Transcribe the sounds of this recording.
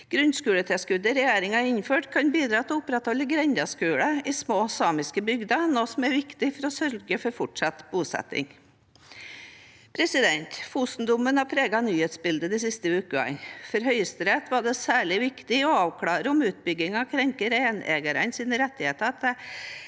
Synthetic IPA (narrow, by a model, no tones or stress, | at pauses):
ɡ̥ɾʉnskʉːlət̪ʰɛskʉd̪əɾɛjeːɾɪŋɑɪnføːʈkʰɑnbiːd̪ɾɑːt̪ʰɛɔʊpɾɛt̪hɔlːəɡɾɛnd̪ɑskʉːɽəɪsmoːsɑːmɪskəbʏɡd̪ɑnoːsɔmæɾʋɪkt̪ɪfɔɾɔsœɾɡəfɔɾfɔʈʂɑt̪buːsɛ̰t̪ɪ̰ŋ | pʰɾɛsɪd̪ɛnt̪fuːst̪n̩d̪ʊmənhɑpʰɾeːɡɑnyːheːt̪sbɪld̪əd̪ɛsɪst̪əʉːkəɑ̰nfɔɾɦœʏəst̪ɾɛt̪ʋɑɖɛsæːɭɪʋɪkt̪ɪɔɑːʋkʰɽɑːɾəɔmʉːt̪̚bʏɡɪŋɑkʰɾɛŋkəɾeːneːɡəɾə̰nsiːnəɾɛt̪ːɪheːt̪ɑt̪ɛ